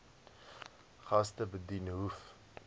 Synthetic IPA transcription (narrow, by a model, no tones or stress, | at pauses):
χɐstəbədinɦuf